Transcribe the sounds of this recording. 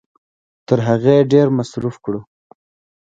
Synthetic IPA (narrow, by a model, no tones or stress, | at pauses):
t̪əɾɦaɣeɖeɾmasɾufkɽu